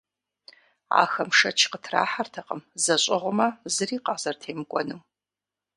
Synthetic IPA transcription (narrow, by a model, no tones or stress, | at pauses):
a̰ːxɐmʂɐt͡ʃʰqətʰra̰ːħartʰɐqə̰mzɐɕʼɪʁʷʊmɐzɨriːqɑːz̥ɐrtʰeːmɡʷʼɔnɨm